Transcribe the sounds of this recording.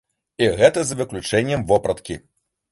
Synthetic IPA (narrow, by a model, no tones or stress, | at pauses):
iɣɛt̪ɐzɐvɨklʲut͡ʂɛnʲːɐmvɔpɾɐt̪kʲḭ